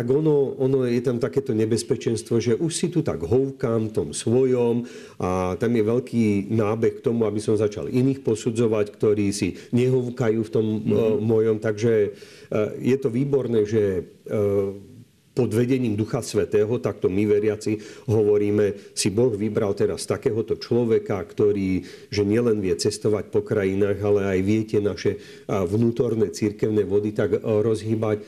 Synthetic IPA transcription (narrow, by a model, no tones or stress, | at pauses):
t̪aɡɔnɔɔnɔjɛt̪amt̪akɛːt̪ɔɲɛbɛspɛt͡ʃɛnst̪ʋɔʒɛʔuʃsit̪ut̪a̰ɡɦɔwkamt̪ɔmsʋɔjɔm | at̪amjɛʋɛʎkiːnaːbɛxkt̪ɔmuabisɔmzat͡ʃa̰liniːxpɔsud͡zɔʋackt̪ɔɾiːsiɲɛɦɔʊkajuːft̪ɔmːɔjɔmt̪aɡʒɛ | jɛt̪ɔʋiːbɔɾnɛːʒɛ | pɔd̪ʋɛɟɛɲiːmd̪uxasʋɛt̪ɛːɦɔt̪ak̚t̪ɔmiʋɛɾɪat͡siɦɔʋɔɾiːmɛsibɔɣʋibɾalt̪ɛɾast̪akɛːɦɔt̪ɔt͡ʃlɔʋɛkakt̪ɔɾiː | ʒɛɲɪɛlɛnʋɪɛt͡sɛst̪ɔʋac̚pɔkɾajinaːɣalɛajʋɪɛcɛnaʃɛ | ʋnuːt̪ɔɾnɛt͡siɾkɛʊnɛʋɔd̪it̪aɡɾɔzɦibac